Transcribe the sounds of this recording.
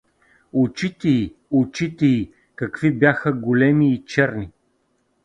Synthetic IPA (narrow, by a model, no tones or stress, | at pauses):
ʊt͡ʃit̪ɛiʊt͡ʃit̪ɛi | kɐkvibjaxəɡolɛmiːt͡ʃɛɾni